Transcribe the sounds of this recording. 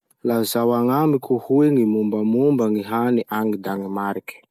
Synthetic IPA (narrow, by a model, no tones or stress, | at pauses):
lazawaŋamikʰuhueŋimumbamumbaŋiɦaniʔaŋid̪aŋimaɾiki̥